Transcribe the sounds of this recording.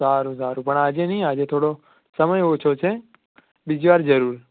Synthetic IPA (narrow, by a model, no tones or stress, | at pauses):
aːɾũzaːɾũpəɳaːd͡ʒẽːnĩːaːd͡ʒẽːt̪ʰoːɽo | səməjoːt͡ʃʰot͡ʃʰe | ɓɪd͡ʒʋaːɾd͡ʒəɾuːɾ